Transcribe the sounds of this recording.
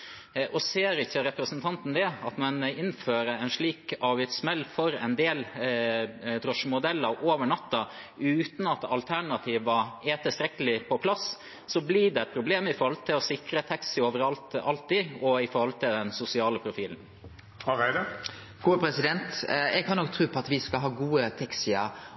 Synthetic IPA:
ʔɔseːɾɪçːəɾɛpɾəsənt̪ʰɑnt̪n̩d̪ɛɑt̪mɛnɪnføːɾəɛnʂɭiːkɑɾʋɪt̪smɛlːfɔɾɛ̰nd̪eːl | d̪ɾɔʂmʊd̪ɛlːəɾʔoːʋəɳɑt̪ːɑ | ʉːt̪n̩ɑt̪ɑ̰lt̪ʰæɳɑt̪ʰiːʋʋɑeːt̪əst̪ɾɛkəlɪpʰɔpʰlɑs | sɔbliɖɛɛt̪̚pʰɾʊbleːmɪfoːhɔlt̪ʰɪlɔsɪkɾət̪ʰɛksɪoːʋəɾɑlt̪ɑlt̪ːiɔɪfɔːɾhɔlt̪ʰɪld̪ɛnsʊsɪɑːləpʰɾʊfiːln̩ | hɑæɪd̪ə | ɡ̥uːpʰɾɛsɪd̪ɛnt̪ɛɡ̚kʰɑnːɔk̚t̪ʰɾuːpʰɔɑt̪ʋɪskɑlɦɑːɡuːət̪ʰɛksɪə̰

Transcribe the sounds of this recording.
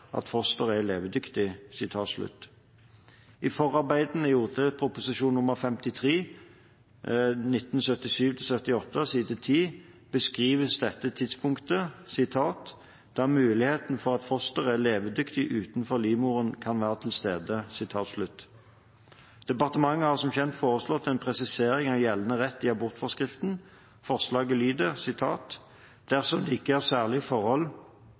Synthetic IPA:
ʔɑ̰t̪fɔst̪əʁəɛleːʋəd̪ʏkt̪ɪsɪt̪ʰɑːt̪slʉ̰t̪ | ɪfɔʁɑʁbæɪd̪ənəjuʁt̪ʰəpʰʁʊpʊsɪʃuːnnʊməʁfɛmt̪ɪt̪ʰʁeː | nɪt̪ːn̩sœt̪ɪʃyːʋt̪ʰɪlsœt̪ɪɔt̪ːəsiːd̪ət̪ʰiː | b̥əskʁiːʋəsd̪ɛt̪ːət̪ʰɪd̪spʰʊŋkt̪əsɪt̪ʰɑːt̪ | d̪̥ɑːmʉːlɪheːt̪n̩fɔʁɑt̪fɔst̪əʁæleːʋəd̪ʏkt̪ɪʔʉːt̪nfɔʁliːmuːʁənkʰɑnʋæːʁət̪ʰɪlst̪eːd̪əsɪt̪ʰɑːt̪slʉt̪ː | d̪̥ɛpɑʁt̪əmɑŋːəhɑʁsɔmçɛnt̪foːʁəslɔt̪ːɛnpʰʁɛsɪseːʁɪŋɑʋjɛlːənəʁɛt̪ːɪɑbʊʁt̪fɔskʁɪft̪n | fɔʁslɑːɡəlyːd̪əsɪt̪ʰɑːt̪ | d̪̥æʁsɔmliɪːkːəəʁsæːʁlɪfɔʁhɔl

